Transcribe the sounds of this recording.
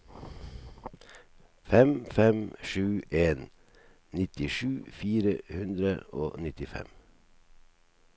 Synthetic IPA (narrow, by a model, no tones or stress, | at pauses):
fɛmfɛmʃʉːʔeːn | nɪt̪ɪʃʉːfiːɾəhʉnd̪ɾəo̰ːnɪt̪ɪfɛ̰m